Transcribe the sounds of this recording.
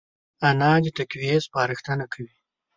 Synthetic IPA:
anɑd̪ɪt̪akwiespɑːɾɪxt̪anakʰawi

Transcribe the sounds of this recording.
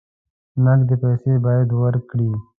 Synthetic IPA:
nɐɡd̪epɛːseːbaːjd̪wəɾkɽiː

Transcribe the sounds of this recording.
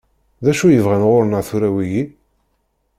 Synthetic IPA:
ðæʃujəvʁænʁʊɾnəʁθuɾæwiji

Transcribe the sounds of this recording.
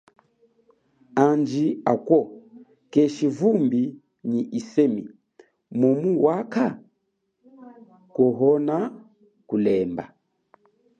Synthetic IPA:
and͡ʒiakwɔ | kɛʃivumbi | ɲiʔisɛmi | mɔmuwaka | kɔɦɔna | kulɛmba̰

